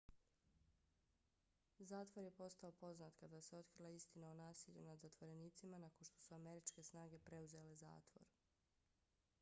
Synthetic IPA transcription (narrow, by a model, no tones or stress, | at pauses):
zaːt̪ʋo̞ɾje̞po̞st̪ao̞po̞znat̪kad̪aseo̞t̪kɾilˠaist̪inaonaːsiʎunad̪zat̪ʋo̞ɾe̞niːt̪simanakonʃt̪o̞̥suame̞ɾit͡ʃke̞snaːɡe̞pɾe̞uze̞le̞za̰ːt̪ʋo̞̰ɾ